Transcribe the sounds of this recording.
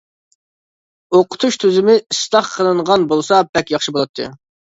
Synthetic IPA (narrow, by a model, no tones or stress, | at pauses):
oqʰʊ̥t̪ʰuʃt̪ʰyzɪmɪist̪ˠɑχqʰːəlˠɨɴʁɑnbolˠsɑpʰɛkʲjɑχʃibolˠɑt̪ʰːɨ̰